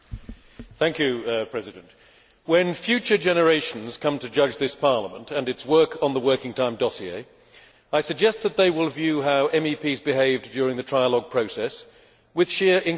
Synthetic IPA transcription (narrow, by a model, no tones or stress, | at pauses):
θæ̃ŋkjʉpʰɹ̥ɛzɨɾɨ̃nʔ | wɨ̃nfjʉt͡ʃə˞d͡ʒɛnə˞eɪʃn̩z̥kʰʌ̃mtʰɨd͡ʒʌd͡ʒðɪspʰɑɹləmə̰̃ntɨ̃nɨtswɜ˞kʰn̩ðəwɜ˞kɪ̃ŋtʰãɪ̃mdɒsiḛɪ | aɪsɨɡ̚d͡ʒɛst̪̚ðət̪̚ðeɪwɪlˠvjʉɦaʊʔɛ̃mipʰizbɨɦeɪvd͡ʒʊɹɪ̃ŋðɨtʰɹ̥aɪəlɔɡ̚pʰɹ̥oʊsɛs | wɨð̥ʃɪɹʔɪ̃n